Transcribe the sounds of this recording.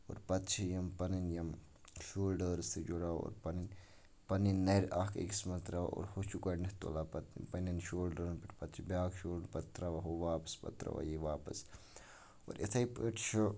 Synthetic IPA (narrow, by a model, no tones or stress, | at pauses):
o̰ːɾpɐt̪t͡ʃʰijɐmpɐninjɐm | ʃuːlɖəːɾst̪ʰid͡ʒoɽaːo̰ːɾpɐnin | pɐninːɐɾaːkḛkismɐt̪ɾaʋ̰ʔo̰ːɾhot͡ʃʰukɐɖnɐht̪o̰laːpɐt̪pɐninʃoːlɖəɾnpiʈʰpɐt̪t͡ʃʰibʲjaːkʃuːlpɐt̪ɾaʋɐɦoʋaːpɐ̥spɐ̰t̪ɾɐ̰ʋa̰jiʋaːpɐ̰s | o̰ːɾʔɐ̰t̪ʰɐjpəʈʃo